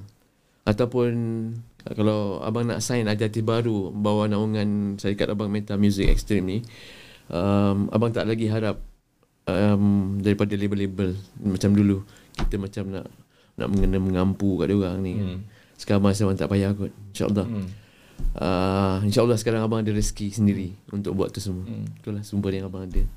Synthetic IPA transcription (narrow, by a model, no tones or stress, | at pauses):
ʔat̪awpʊn | kalawa̰baŋna̰ʔsajnat̪iat̪ɪbaɾubawanaʔuŋansaɾikat̪abaŋmet̪amjuzɪk̚ɛ̰kst̪ɾimni | ʔəma̰baŋt̪a̰ʔlaɡiɦaɾap̚ | əmdaɾipadalebəlebəlmat͡ʃamdulu | kit̪əmat͡ʃamna̰ʔ | nʔa̰ʔməŋənəməŋampukaʔdauɣaŋnian | sə̥kaɾabaŋs̬abaŋt̪a̰ʔpajaɡʊt̪̚inʃa̰ʔə̰lːɑh | əinʃaʔəlːɑhsə̥kaɾaŋabaŋadəɾəskisəndiɾiunt̪ʊk̚bua̰t̪̚t̪ːusəmuət̪ulahsumbərjaŋabaŋadə